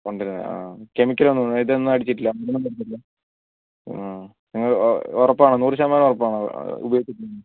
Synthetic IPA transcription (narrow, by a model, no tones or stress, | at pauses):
koɳɖiɾnːɨ̰a̰ːke̞mikʲːɐlo̞nːuoɳɖiðenːɨɐɽit͡ɕːiʈːilːɐmɐɾɐnːɨmɐɽit͡ɕːiʈːilːɐ | niŋːɐɭɔrɐpːaːɳɨnuːrɨɕ̬aːmaːnɐmɔrɐpːaːɳɨ̰ṵbɐjoːk̪ːiʈʲːnɐnːɨ